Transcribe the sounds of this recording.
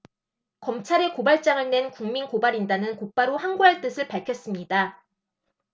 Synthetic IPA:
kʌmt͡ɕʰaɾe̞kobaɭt͡ɕ͈aŋɯɭnwe̞nkuŋminkobaɾindanɯnkok̚p͈aɾohaŋɡuɦaɭt͈ɯsʰɯɭpaɭkʰjʌs͈ɯmɲida

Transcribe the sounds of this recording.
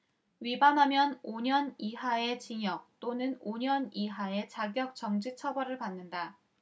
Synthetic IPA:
ɥibamɦamjʌnoɲʌniɦae̞t͡ɕiŋjʌk̚t͈onɯnoɲʌniɦae̞t͡ɕaɡjʌk̚t͡ɕ͈ʌŋd͡ʑit͡ɕʰʌbʌɾɯɭpanːɯnda

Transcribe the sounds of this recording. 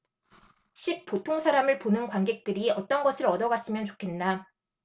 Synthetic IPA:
ɕʰik̚p͈otʰoŋsʰaɾamɯɭponɯnkwaŋɡe̞k̚t͈ɯɾiʌt͈ʌnɡʌsʰɯɾʌdʌɡas͈ɯmjʌnt͡ɕo̥kʰe̞nːa

